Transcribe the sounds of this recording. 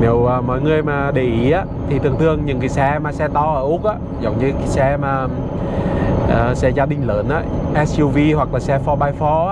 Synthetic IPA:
ni˨˩əwəː˨˩mɔ̰˧˨jŋɨ˨˩əjmaː˨˩ɗe˨˩ʔi˨˦ʔaː˧˦ | t̪ʰi˨t̪ʰɨ˨˩əŋt̪ʰɨ˨˧˩əŋɲɨ˨˩ŋki˨˩sɛ˧maː˨˩sɛ˧t̪ɔ˧ʔəː˧˩ʔʊ˦˥k̚ʔaː˧˦ | zə˨˩wŋ͡mɲɨ˧ki˨˩sɛ˧maː˨˩ | ʔəː˨˩sɛ˧zaː˧ɗï˧ŋ̟ləː˨˦nʔaː˧˦ʔɛ˦˥sju˧vi˧ɦwa˨˩k̚laː˨˩sɛ˧fɔ˧ɓaː˧jfɔ˨˧˦

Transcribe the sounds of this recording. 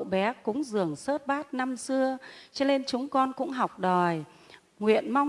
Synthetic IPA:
wɓɛ˨˦kʊ˨˦˥ŋ͡mzɨ˨˩əŋsəː˦˥t̚ɓaː˦˥t̚na˧msɨ˧ət͡ɕɛ˧˦le˧nt͡ɕʊ˨˦ŋ͡mkɔ˧nkʊ̰˧˥ŋ͡mɦa˨˩wk͡p̚ɗɔ˨˩j | ŋwḭ˧˨ənma˧w

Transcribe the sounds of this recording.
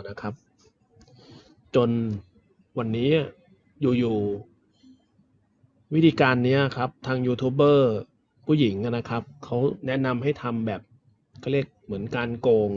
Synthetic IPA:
na˦˥kʰa˦˥p̚ | t͡ɕo˧n | wa˧nːiː˦˥˩ | juː˨˩juː˨˩ | wi˦˥t̪ʰiː˧kaː˧nːi˦˥ɐkʰa˦˥p̚t̪ʰaː˧ŋjuː˧t̪ʰuː˦˥pbɤː˥˩ | pʰuː˥˩ji˩˦ŋʔa˧˩na˦˥kʰa˦˥p̚kʰa˦˥wnɛ˦˥na˧mɦa˥˩jt̪ʰa˧mbɛː˨˩p̚ | kʰa˥˩ɾi˥˩ə˩k̚mɯ˩˦ənkaː˧nkoː˧ŋ

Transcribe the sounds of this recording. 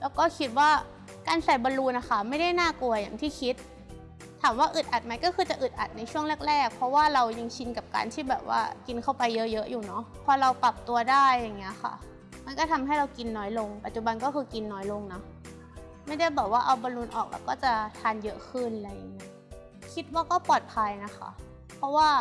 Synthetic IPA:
lɛː˦˥wkɔː˥˩kʰi˦˥t̪̚waː˥˩ | kaː˧nsa˨˩jbɔː˧nluː˧nʔa˧˦xa˥˩ma˥˩jda˥˩jnaː˥˩ku˧ɐja̰˨˩ŋt̪ʰiː˥˩kʰi˦˥t̪̚ʰː | aː˩˦mwaː˥˩ʔɯ˨˩t̪̚ʔa˨˩t̪̚ma˦˥jkɔː˥˩xɯː˧t͡ɕa˨˩ʔɯ˨˩t̪̚ʔa˨˩t̪̚na˧jt͡ɕʰu˥˩əŋlɛː˥˩k̚ɾɛː˥˩k̚pʰɾɔ˦˥waː˥˩ɾa˧wja˧ŋt͡ɕʰi˧nka˨˩p̚ka̰ː˧nt̪ʰiː˥˩bɛː˨˩p̚wa̰ː˥˩ki˧nkʰa˥˩wpa˧jːɤ˦˥jɤ˦˥ʔjuː˨˩nɔ˦˥pʰɔː˧ɾa˧wpa˨˩p̚t̪u˧ɐdaː˥˩jːa˨˩ŋːi˦˥ɐxa̰˥˩ | ma˧nkɔː˥˩t̪ʰa˧mhɦa˥˩jɾa˧wki˧nːɔː˦˥jlo˧ŋpa˨˩t̪̚t͡ɕu˨˩ba˧nkɔː˥˩xʰɯː˧ki˧nːɔː˦˥jlo˧ŋnɔ˦˥ | ma˥˩jda˥˩jbɛː˨˩p̚waː˥˩ʔa˧wbɔː˧nlu˧nʔɔ̰ː˨˩k̚la̰˧˩wkɔː˥˩t͡ɕa˨˩t̪ʰaː˧njɤ˦˥ʔkʰɯ˥˩naɾa˧jːa˨˩ŋːi˦˥ɐ | kʰi˦˥t̪̚waː˥˩kɔː˥˩pɔː˨˩t̪̚pʰa˧jna˦˥xʰa̰˦˥˩ | pʰɾɔ˦˥waː˥˩

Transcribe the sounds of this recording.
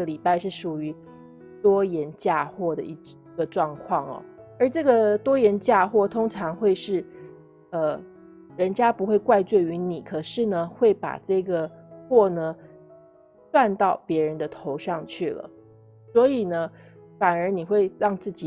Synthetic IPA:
ə˩li˨˩pa˥˧ɪʂɻ̩˥˩ʂu˨˩y˧˥ | t̪wɔ˥jɛ˧˥nt͡ɕja˥˧xwɔ˥˩d̪ə˩i˧˩˧ | ə˧ʈ͡ʂwɑ˥˧ŋkʰwɑ˥˩ŋɐ̰˨˩ | ə˞˧˥ʈ͡ʂɤ˥˩ɡə˨˩t̪wɔ˥jɛ˧˥nt͡ɕja˥˧xwɔ˥˩t̪ʰʊ˥ŋʈ͡ʂʰɑ˧˥ŋxwe˥˧ɪʂɻ̩˥˩ | ə˧ | ɻə˧˥nt͡ɕja˥pu˧˥xwe˥˧ɪkwa˥˧ɪt͡swe˥˩ɪy˧˥ni˨˩˦kʰɤ˨˩ʂɻ̩˥˩nə˩xwe˥˩ɪpa̰˨˩ʈ͡ʂɤ˥˩ɡə˩xwɔ˥˩nə˩ | t̪wa˥˧nt̪ɑ˥˩ʊpjɛ˧˥ɻə˧˦nd̪ə˧t̪ʰo˧˥ʊʂɑ˥˧ŋt͡ɕʰy˥˩lə̰˩ | swɔ˧˥i˨˩nə˦ | fa˨˩nə˞˧˥ni˨˩xwe˥˧ɪɻɑ˥˧ŋt͡sɹ̩˥˩t͡ɕi˨˩

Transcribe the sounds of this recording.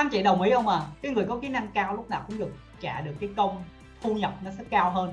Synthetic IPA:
aː˨˦mt͡ɕḭ˧˨ɗə˨˩wmi˨˦ʔə˧wŋ͡maː˨˩kaː˨˦jŋɨ˨˩əjkɔ˨˦ki˨˦na˧ŋkaː˧wlʊ˦˥k͡p̚naː˨˩wkʊ̰˧˥ŋ͡mɗɨ˨˩ək̚ | t͡ɕa̰ː˧˩ɗɨ˨˩əkːaː˨˦jkə˧wŋ͡m | t̪ʰu˧ɲə˨˩p̚nɔ˨˦sə˦˥t̚kaː˧wɦəː˧n

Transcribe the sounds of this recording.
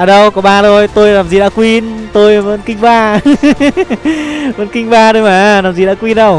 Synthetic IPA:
a˨˧˩ɗə˧wkɔ˨˦ɓaː˧˩zo˧jt̪o˧jlaː˨˩mzi˨˩ɗa̰ː˧˥kwi˧nt̪o˧jvə̰˧˥nkï˧ŋ̟ɓaː˧ | və̰˧˥nkï˧ŋ̟ɓaː˧ɗo˧jmaː˨˩laː˨˩mzi˨˩ɗa̰ː˧˥kwi˧nɗə˧˩w

